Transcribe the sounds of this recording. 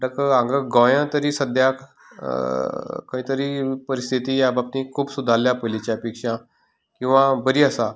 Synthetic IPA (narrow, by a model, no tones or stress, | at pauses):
ʈəkəãŋɡəɡajãt̪əɾiːsəd̪ʱjak | kə̃ĩt̪əɾiːpəɾist̪ʰit̪iːjabap̚t̪ĩkʰuːbsud̪ʱaljapəlit͡ɕjapikʂã | kĩw̃ʋãbəɾiːəsa